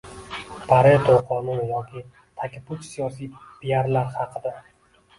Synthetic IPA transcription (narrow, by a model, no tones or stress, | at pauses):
pʰaɾet̪ʰoqʰɒnʊnjɒkʲʰɪ | t̪ʰakʲɪpʰʊt͡ʃsijɒsijpijaɾlaɾhɑqʰɨd̪a